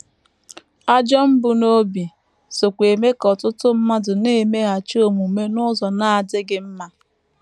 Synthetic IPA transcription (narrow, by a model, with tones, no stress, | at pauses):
a˦d͡ʒɔ˦m̩˦bʊ˨no˦bi˨ | so˨kʷe˨me˦kɔ˨tʊ˦tʊ˦m̩˦ma˦dʊ˨ne˦˨me˦ɣa˨t͡ʃo˦˨mu˨me˦nʊ˦zɔ˨na˦a˨dɪ˦ɡɪ˦m̩˦ma˦